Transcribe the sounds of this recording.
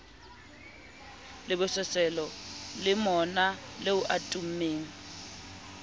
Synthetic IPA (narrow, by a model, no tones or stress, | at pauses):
lɪbʊsɛsɛlɔlɪmɔnaleʊʔatʼum̩meːŋ̩